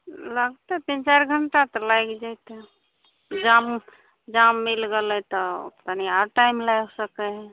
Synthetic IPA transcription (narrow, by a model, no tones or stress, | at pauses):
ləɡt̪ɛp̪ĩnt͡ʃaɾɡʱəɳʈat̪ɔlajkd͡ʒajt̪e | d͡ʒam | d͡ʒamːilɡelɛt̪ɔpt̪aniaʈajmlajsəkɛɦɛ̃